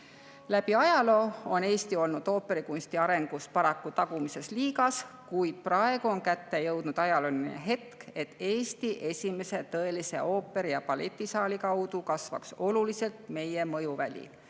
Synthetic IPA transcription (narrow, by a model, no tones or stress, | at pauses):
læb̥iɑjɑlo̞ːone̞ːst̪io̞lnud̪̥o̞ːpːe̞ɾikunʲst̪iɑɾe̞ŋɡ̥uspɑɾɑkːut̪ɑɡ̥umise̞sliːɡɑskujd̪̥̚prɑe̞ɡ̥uo̞nkæt̪ːe̞jɤwd̪̥nud̪̥ɑjɑlolineɦe̞t̪ke̞t̪ːe̞ːst̪iʔe̞sʲime̞se̞t̪ɤ̞e̞lise̞̰o̞ːpːe̞ɾijɑpɑle̞̰t̪ʲːˑisɑːlikɑwd̪̥ukɑsvɑ̰kso̞lulise̞lt̪me̞je̞mɤjuvælʲḭ